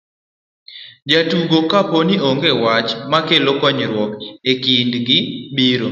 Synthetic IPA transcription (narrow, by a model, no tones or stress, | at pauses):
d͡ʒatuɡokaponioŋɡewat͡ʃmakelokɔɲɾwɔkekindɡɪbiɾo